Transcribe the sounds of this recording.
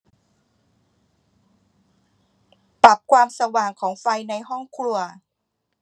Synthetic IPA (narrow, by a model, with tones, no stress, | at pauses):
pa˨˩p̚kʰwaː˧msa˧waː˨˩ŋkʰɔː˩˦ŋfa˧jna˧jhɔ˥˩ŋkʰɾu˧ɐ